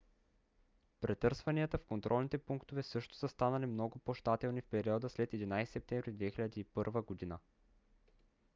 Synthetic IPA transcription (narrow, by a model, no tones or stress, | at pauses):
pɾʔɛt̪ɤɾsvɐniət̪əfkont̪ɾʔɔlˠnit̪ɛpuŋkt̪ovɛsɤʃt̪o̥səst̪anɐlimnɔɡʊpoʃt̪at̪ɛlˠnifpɛɾiɔd̪əslɛt̪ɛd̪inajsi̥sɛp̚t̪ɛ̃mvɾid̪vɛxilʲɐd̪iːpɤɾvəɡod̪inə